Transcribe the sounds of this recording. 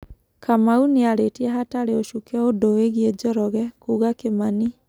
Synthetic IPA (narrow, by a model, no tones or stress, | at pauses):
kamauneaɾetiɛɦataɾeoʃukɛodoeɣied͡ʒɔɾɔɣɛkuːɣakemani